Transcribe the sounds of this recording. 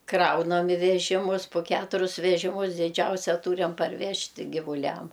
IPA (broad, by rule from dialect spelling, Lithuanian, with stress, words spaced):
ˈkrɐʊnɐm ɪ ʋʲɛˈʒʲɪmʊs pʊ ˈkʲæːtʊrʲʊs ʋʲɛˈʒʲɪmʊs dʲɪˈd͡ʒʲɛʊsʲɛ ˈtuːrʲɛm pɐrʲˈʋʲæːʃʲtʲɪ ɡʲɪʋʊˈlʲɛm